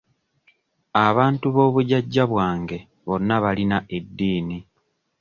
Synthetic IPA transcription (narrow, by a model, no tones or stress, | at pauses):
aβaːntuβo̞ːβuɟaɟːaβwaːŋɡe̞ | βo̞nːaβalinaʔe̞dːiːni